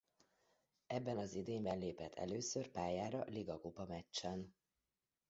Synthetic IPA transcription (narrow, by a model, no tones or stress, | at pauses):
ɛbːɛnɒzid̪eːɲbɛnleːpɛt̪ʰːɛ̰løːsørpaːjaːɾɒliɡɒkopɒmɛt͡ʃt͡ʃːɛn